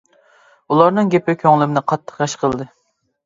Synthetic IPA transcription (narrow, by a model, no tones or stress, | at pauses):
ulˠɑɾnɨŋɡʲepʰɪkʲʰøŋlɪmɪnɪqʰɑt̪ʰːə̥qjɑʃqʰəlˠd̪ɨ